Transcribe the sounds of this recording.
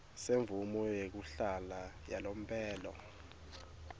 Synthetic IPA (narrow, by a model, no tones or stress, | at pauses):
seɱvumɔjek̬uɬala | jalom̩pʰʼɛːlɔ̰